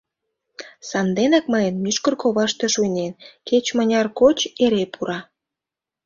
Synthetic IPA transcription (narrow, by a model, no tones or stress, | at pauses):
sɑnd̪enɑkməjənmyʃkərkoβɑʃt̪eʃujnʲenket͡ɕmənʲɑrkot͡ɕeɾepʰuɾɑ